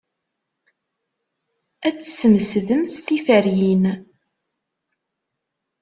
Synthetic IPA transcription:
æt͡sːə̥səməsðəmst̪ifæɾjin

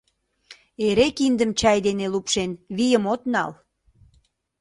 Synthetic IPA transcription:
eɾekind̪əmt͡ɕɑjd̪enelupʃenβijəmot̪nɑl

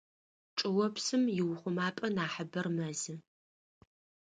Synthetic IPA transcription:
ʈ͡ʂʼɨwɔpsɨmjɪwʊχʷʊmaːpʼɐnaːħəbɐrmɐzɨ

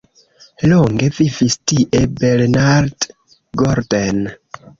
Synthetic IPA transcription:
loŋɡe̞vivistiʔebelnaɾd | ɡoɾden

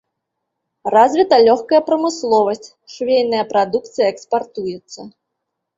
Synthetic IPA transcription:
razʲvʲit̪ɐlʲɔxkɐjɐpɾɐmɨslˠɔvɐsʲt͡sʲ | ʂvʲejʲnɐjɐpɾad̪ukt̪sɨjɐɛkspart̪ujɛt̪sːɐ

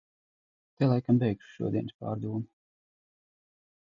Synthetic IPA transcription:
t̪ɛlˠajkambɛjkʃu̥ʃṵɔd̪ʲiɛnspa̰ːɾd̪uːnu

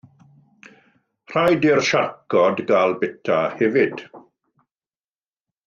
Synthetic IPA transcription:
r̥ajdɪrʃarkʰɔdɡalˠbɛtʰahɛvɪd̥

